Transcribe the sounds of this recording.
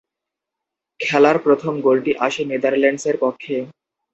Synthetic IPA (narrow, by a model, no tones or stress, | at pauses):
kʰɛlaɾpɾot̪ʰomɡolʈiʔaʃened̪aɾlɛɳɖseɾpɔkʰːe